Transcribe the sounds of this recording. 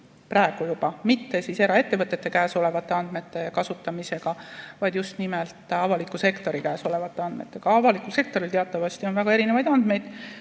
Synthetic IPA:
prɑeɡ̥ujub̥ɑmit̪ːe̞sise̞ɾɑe̞t̪ːevɤt̪ːˑet̪ːe̞kæːso̞le̞vɑt̪ˑːe̞ɑnd̪̥me̞t̪ːˑe̞kɑsut̪ːˑɑmise̞ɡ̥ɑvɑjd̪̥just̪nimelt̪ˑɑvɑlikːˑuse̞kt̪o̞ɾikæːso̞le̞vɑt̪ˑːeɑnd̪me̞̰t̪ːˑe̞ɡ̥ɑɑvɑlikːˑulse̞k̚t̪o̞ɾilt̪eɑt̪ːˑɑvɑst̪io̞nvæɡɑeɾinevɑjd̪ɑnd̪̥me̞jd̪̥

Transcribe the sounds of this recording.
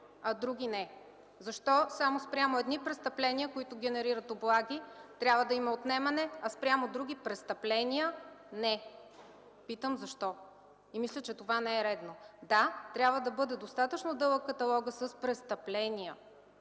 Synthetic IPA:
ɐd̪ɾuɡʲinɛ | zɐʃt̪ɔsamospɾʲamʊɛd̪nipɾɛst̪ɐplɛnʲiəkoit̪ʊɡʲɛnɛɾiɾət̪oblˠaɡʲit̪ɾʲabvəd̪ɐimɐot̪nɛmɐnɛɐspɾʲamod̪ɾuɡʲipɾɛst̪ɐplɛniənɛ | pit̪əmzɐʃt̪ɔ | imislʲət͡ʃɛt̪ovanɛɛɾɛd̪nod̪at̪ɾʲjabvəd̪ɐbɤd̪ɛd̪ost̪at̪ət͡ʃnod̪ɤlˠəkːɐt̪ɐlˠɔɡəsəspɾɛst̪ɐplɛniə

